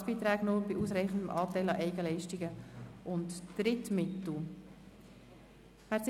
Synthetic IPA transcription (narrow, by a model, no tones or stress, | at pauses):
b̥iːt̪ɾæːɡnobɪʔuːsɾɛɪχən̩dəmʔɑːtɛɪlɑʔɛɪɡəlɛɪʃtɪɡəʔʊntːɾɪtmɪtl̩ | æt͡s